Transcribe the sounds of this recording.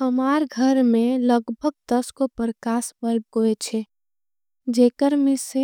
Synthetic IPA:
həmaɾɡʱəɾmẽləɡbʱəɡ̚t̪əskopəɾkaːsbəlb̚ɡoet͡ʃʰe | d͡ʒeːkəɾmɪse

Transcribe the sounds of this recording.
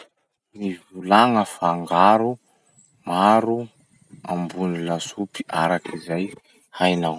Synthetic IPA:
mivulaŋəfaŋɡaɾu | maɾu | ambunilasupi̥ʔaɾakizaj | hajnaw

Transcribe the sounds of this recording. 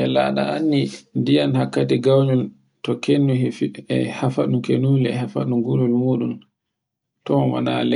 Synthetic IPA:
ɛla̰ɗa̰anːindijanhakːatɛɡawɲɔl | tɔkenːuɛhafaɗukenuːlɛɛhafa̰ɗuŋɡulɔlmuːɗun | tɔwa̰nalɛ

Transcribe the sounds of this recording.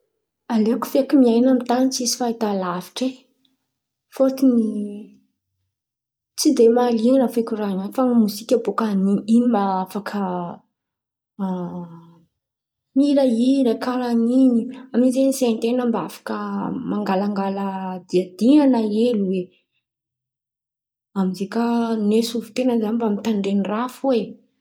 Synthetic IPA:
aleku̥fekimiajnamit̪anit͡sizi̥fait̪alavi̥ʈ͡ʂe | fot͡s̪ini | t͡sid̪emalianəfekʲuɾananfaŋamusikʲəbokaniiimaafakʰə | miɾaiɾakalaniniamizenisent̪enəmbaafḁkəmaŋɡalaŋɡalad̪iad̪inanaeluwe | amizekanesuvu̥t̪enəzanibamit̪aɳɖ͡ʐenirafue

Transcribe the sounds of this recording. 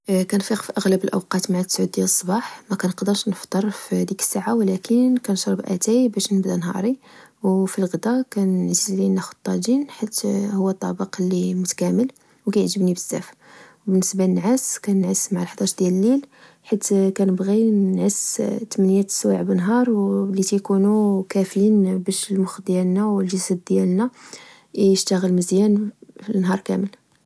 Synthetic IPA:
kænfiqfiʔəɣləbəlʔəwqɑt̪maʕasʕud̪̚d̪jæləsˤːbɑħmækænqd̪əɾʃnəft̪ˤːɑɾˤfhæd̪ikə̥sːaʕawlækənkænʃɾˤəbʔæt̪æjbæʃnəbd̪ænɦɑ̰ɾˤiwfilɣəd̪ækænʕzəzlinːæxʊd̪̚t̪ˤːɑd̪inħat̪hʊwːæt̪ˤːɑbəqlːimʊt̪æ̥kæməl | wkæjəʕʒəbnibəzːæ̰fwbənːəsbalənʕaskænʕəsːmaʕlħd̪ˤɑʃd̪jæləlːil | ħat̪ːkænəbɣinʕəst̪mnjæt̪swaʕbənɦɑɾˤwlit̪ijkunukæflinbæʃəlmʊxd̪jælnæwəlʒəsæd̪d̪jælnæ | ʔiəʃt̪əɣəlməzjænfinɦɑɾˤkæ̰məl

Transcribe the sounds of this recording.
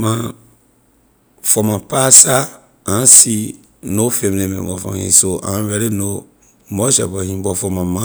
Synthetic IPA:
mã | fɔmãpasa | ãsi | nofẽmnẽmɛ̰̃bɔfã̰ḭ̃soʔã̰wɛɾeno | mɔʃɛ̰bɔhĩbɔfɔmãmã

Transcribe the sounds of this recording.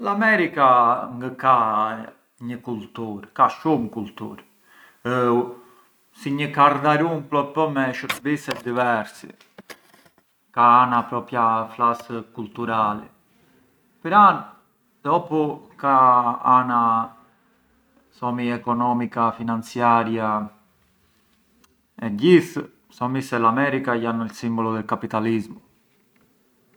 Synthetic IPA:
lamɛɾikaŋɡəka | ɲəkult̪uɾkaʃumkult̪ṵɾ | siɲəkaɾd̪aɾumplɔpɔmɛʃəɾbisɛt̪̚d̪ivɛɾsḭ | kaanapɾɔpjaflaskult̪uɾalɛ̰ | pəɾan | d̪̥ɔpukaana | sɔmiɛkɔnɔmikafinant͡sjaɾja | ɛɟiθ | sɔmisɛlamɛɾikajanilsimbɔlɔðɛlkapit̪alizmu

